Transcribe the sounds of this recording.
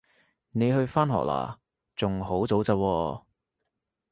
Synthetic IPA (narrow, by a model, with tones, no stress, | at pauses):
ne˨˧jhɵ˧ɥfaː˥nɦɔ̰ː˨k̚la̰ː˨˩ | t͡sʊ˨ŋɦo˨˥wt͡so˨˥wt͡sɐː˧wɔː˧